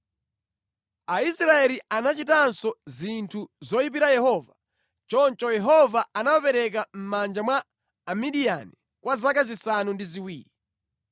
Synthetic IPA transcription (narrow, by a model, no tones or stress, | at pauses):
aisɾaɛlianat͡ʃitansɔzintʰuzɔjip̬iɾajɛɦɔːva | t͡ʃɔnt͡ʃɔjɛɦɔvaanawapɛɾɛk̬am̩mand͡ʒamwa | amiɗia̰ni | kwazakazisanundiziwiːɾi